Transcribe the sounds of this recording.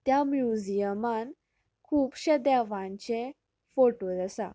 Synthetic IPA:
t̪jamjud͡ʑijəman | kʰuːpɕəd̪ɛʋãɲt͡ɕe | foʈod͡zəsa̰

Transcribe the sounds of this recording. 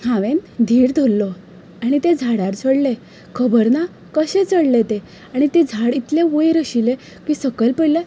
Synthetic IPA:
hãʋẽnd̪ʱiːɾd̪ʱolːɔ | aɽ̃it̪ed͡zʱaɽaɾt͡sʰəɽle | kʰəbəɾna | kəɕẽt͡səɽlet̪e | aɽ̃it̪ed͡zʱaɽit̪leʋəjɾəɕile | kiːsəkəlpəle

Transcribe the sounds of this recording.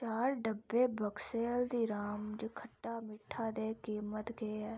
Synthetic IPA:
t͡ʃaːɾɖəbːeːbʱəkseːld̪iːɾaːmd͡ʒkʰəʈːaːmɪʈʰːaːd̪eːkiːmət̪ɡeɛː

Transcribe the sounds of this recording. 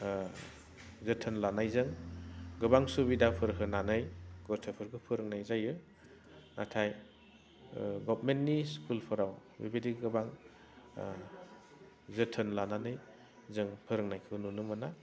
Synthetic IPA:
zɯtʰɯnlanajzɯŋɡɯbaŋsubidapʰɯɾkʰɯnanɯjɡɔɾtʰɯpʰɯɾɡɯpʰɯɾɯŋnajzajɯ | natʰaj | ɡɔpmentniskulpʰɯɾawbḭbediɡɯbaŋ | zɯtʰɯnlananɯj | zɯŋpʰɯɾɯŋnajkʰɯnunumɯna

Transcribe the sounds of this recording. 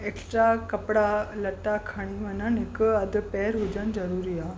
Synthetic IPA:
eksʈɾakəpɽaləʈakʰaɽ̃iʋənanekəəd̪pɛɾɦod͡ʑand͡zəɾuɾia

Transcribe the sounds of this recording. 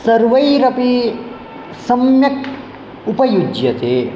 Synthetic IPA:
sɐɾʋɐjɾɐpi | sɐmjɐk̚ | upɐjud͡ʒjɐt̪eː

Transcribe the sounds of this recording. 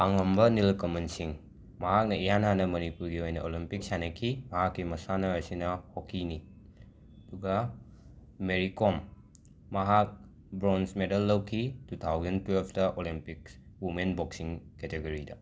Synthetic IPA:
aŋɐmbɐnilkomɐnsiŋ | mɐɦak̚nɐijananɐmɐnipuɾɡiojnɐolimpik̚sanekʰimɐɦakːimɐsanɐajsinɐhokʰːini | ɐduɡɐ | meɾikomː | ɐɦak̚ | bɾonsmedɐlːɐwkʰitut̪ʰawzɐntwelpʰtɐʔolimpik̚ | wumenboksiŋketeɡoɾidɐ

